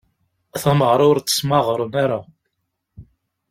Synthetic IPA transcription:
θæməʁɾˤʊɾt͡sːə̥smɑʁɾˤənaɾa

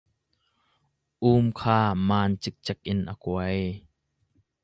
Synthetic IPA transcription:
ʔuːmkʰaːmaːnt͡ʃɪk̚t͡ʃɛk̚ʔɪnʔa̰kuɐj

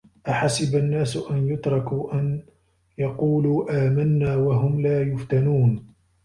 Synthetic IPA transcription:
ʔaħasɪbanːaːsʊʔanjʊt̪ɾˤɑkuːʔan | jɑquːluːʔaːmanːaːwaɦʊmlaːjʊft̪anuːn

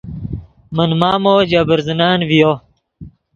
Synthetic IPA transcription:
mɐnmaːmoːd͡ʑabəɾzənaːnvijo

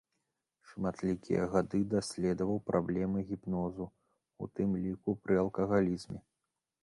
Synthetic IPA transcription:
ʂmat̪lʲikʲḭjɐ̰ɣad̪ɨd̪asʲlʲɛd̪ɐvɐwpɾablʲɛmɨɣʲipnɔzu | ṵt̪ɨmlʲikupɾɨɐlˠkɐɣalʲizmʲɛ

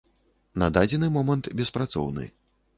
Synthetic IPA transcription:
nɐd̪ad͡zʲɛnɨmɔmɐnt̪bʲɛspɾat̪sɔ̰wnɨ̰

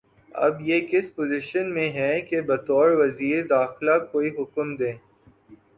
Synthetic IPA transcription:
ɐ̰bjeːkɪspozɪʃənmẽɦɛ̃kebɐt̪ɔːɾʋɐziːɾd̪aːxlakoːiɦʊkəmd̪ẽː

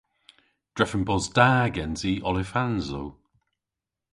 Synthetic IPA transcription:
d̥ɹɛfənbɔzdaːɡɛnziʔɔlɪfanzo̰w

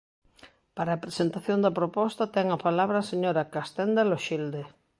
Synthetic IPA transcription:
paɾaːpɾesent̪aθjond̪ɐpɾopɔst̪at̪ɛŋɐpalaβɾaːseɲoɾakast̪ɛnd̪aloʃild̪e

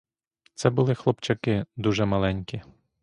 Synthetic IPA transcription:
t̪sɛbʊlˠɪxlˠɔpt͡ʃɐkɪd̪uʒɛmɐlˠɛnʲkʲi

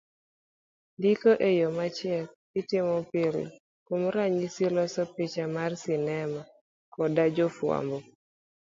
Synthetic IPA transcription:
dikoʔejɔmat͡ʃɪɛl | ɪtɪmɔpɪl̰ | komɾaɲisilɔsɔpit͡ʃamarsɪnɛmɔ | kɔdad͡ʒɔfwa̰mbɔ

